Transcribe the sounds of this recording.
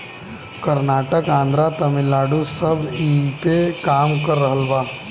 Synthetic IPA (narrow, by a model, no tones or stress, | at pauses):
kɐɾnaːʈəkãːnd̪ɾat̪ɐmɪlːaːɖusɐbʱipekaːmkɐɾːɐɦəlbaː